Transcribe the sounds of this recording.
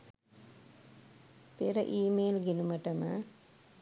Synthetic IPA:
p̪eɾəʔiːmeːlɡenuməʈəmə

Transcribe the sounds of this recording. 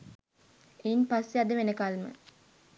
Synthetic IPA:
einpasːead̪əʋenəkalmə̰

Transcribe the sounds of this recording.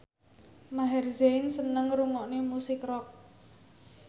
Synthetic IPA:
maɦɛrzeɪnsənəŋɾuŋɔʔnemusɪkrɔk̚

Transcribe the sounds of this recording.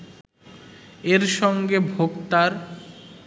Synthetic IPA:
eɾʃɔŋɡebʱoɡt̪aɾ

